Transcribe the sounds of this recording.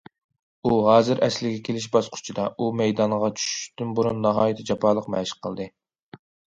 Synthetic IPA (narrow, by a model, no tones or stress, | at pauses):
uɦɑːzɨɾɛslɪɡʲɛkʲʰelɪʃ̬bɑsqʰʊ̥t͡ʃʰid̪ɑumɛjd̪ɑɴʁɑt͡ʃʰy̥ʃʃt̪ynboɾunːɑɦɑːjit̪ʰɪd͡ʒɑpʰɑːlˠəqmɛʃqʰəlˠd̪ɨ